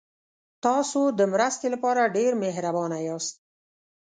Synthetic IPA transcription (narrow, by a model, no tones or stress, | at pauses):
t̪ɑsod̪əmɾəst̪elapɑɾaɖeɾmeɦɾabɑnajɑst̪̚